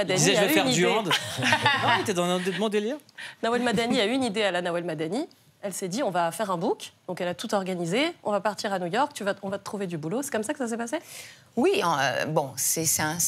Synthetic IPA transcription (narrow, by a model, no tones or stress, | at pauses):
ad̪aizaʒyfɛʁnid̪yɑ̃d̪ | at̪ɛd̪ɑ̃ɛ̃d̪mɔ̃d̪eliʁnawɛlmad̪aniayynid̪ealanawɛlmad̪ani | ɛlsɛd̪iɔ̃vafɛʁɛ̃bukd̪̥ɔ̃kɛlat̪ut̪ɔʁɡanizeɔ̃vapaʁt̪iʁanujɔʁk̚t̪yvaɔ̃vat̪ət̪χuved̪ybulosɛ̥kɔmsakə̥sas̬ɛpase | wĩø̰bɔ̃sɛsɛɛ̃